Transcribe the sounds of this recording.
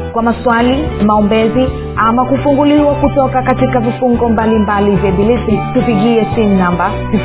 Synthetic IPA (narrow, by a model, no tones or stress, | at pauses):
kwamaswalimaɔmbɛzi | amakufuŋɡuliwakutɔkakatitkavifuŋɡɔmbalimbalivjɛɓilisitupiɠiɛsin̩namba | tu